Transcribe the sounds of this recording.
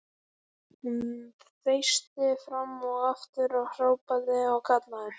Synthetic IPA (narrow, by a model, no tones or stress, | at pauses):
θejst̪ɪfɾamːɔɣaft̪ʏɾawr̥aːwpaðɪawkʰat̪laðʏɾ̥